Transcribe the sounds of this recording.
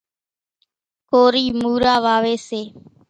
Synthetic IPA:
koːɾiːmuːɾaːʋaːʋeːseː

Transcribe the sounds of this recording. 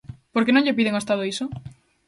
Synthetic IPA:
poɾkenõɲʎepiðeŋoest̪aðoiso

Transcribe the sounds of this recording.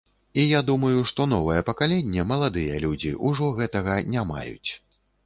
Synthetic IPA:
ijad̪umɐjuʂt̪ɔnɔvɐjɛpɐkalʲɛnʲːɛmɐlˠad̪ɨjɛ̰lʲud͡zʲḭʔuʐɔɣɛt̪ɐɣɐnʲama̰jṵt͡sʲ

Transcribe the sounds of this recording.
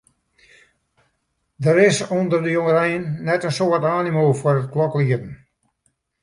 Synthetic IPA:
dəɾɪsondərdəjoŋəɾɛjənːɛtənsoːɔtaːnimoːfʊərət̚klɔkliədən̩

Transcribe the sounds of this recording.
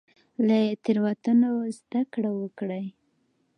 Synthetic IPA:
lat̪iɾwat̪ənozd̪akɽawəkɽaj

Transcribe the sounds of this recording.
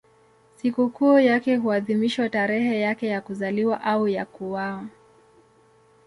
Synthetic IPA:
sikukujakɛɦuaðimiʃwataɾɛɦɛjakɛjakuzaliwaʔaujakuwawa

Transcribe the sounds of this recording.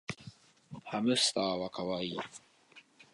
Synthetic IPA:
hamʉst̪aːwakʰawai

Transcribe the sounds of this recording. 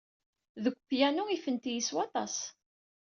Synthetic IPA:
ðəɡʷpjænuifənt̪ijiswɑt̪ˤɑ̰s

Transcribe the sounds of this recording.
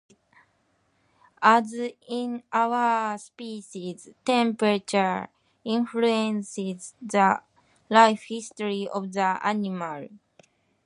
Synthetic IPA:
azĩnʔawəspiʃiztɛ̃mpɹat͡ʃə˞ | ĩnfluɛ̃nsizðə | laɪfhistɔɹiʔɔvðəʔa̰nimal

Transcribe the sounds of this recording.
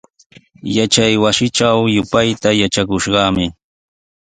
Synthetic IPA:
jat͡ʃajwasɪʈ͡ʂawjʊpajt̪ajat͡ʃakʊʃɢɑmɪ

